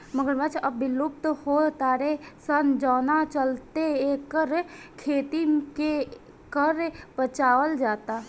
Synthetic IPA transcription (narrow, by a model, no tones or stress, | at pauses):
məɡəɾmət͡ʃʰɐbbɪlʊp̚t̪hot̪aːɾesənd͡ʒaːnat͡ʃəlt̪eeːkəɾ | kʰeːt̪ike | kəɾpət͡ʃaːəld͡ʒaːt̪aː